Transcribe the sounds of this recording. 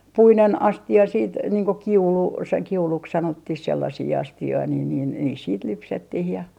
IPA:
puinen ɑstiɑ siːt niːŋ ko kiulu se kiuluks sɑnotːih selːɑsiː ɑstioi niːn niːn niːs siːt lypsetːih jɑ

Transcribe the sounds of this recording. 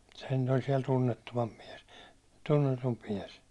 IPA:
sehæn nyt nyt olʲ siɛl tunːetːuʋɑmp miɛs tunːetump miɛs

